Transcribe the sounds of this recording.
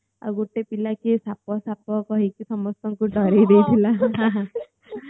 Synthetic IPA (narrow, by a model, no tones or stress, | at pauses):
a̰ɡoʈepilakisapɔsapɔkɔɦikisɔmɔst̪ɔŋkuʈɔɾejd̪ejt̪ʰilaɦɦã